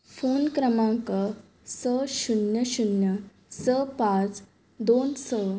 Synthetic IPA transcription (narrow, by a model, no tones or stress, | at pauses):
fonkɾəmãŋkə | səɕunjəɕunjə | səpãt͡s | d̪onsə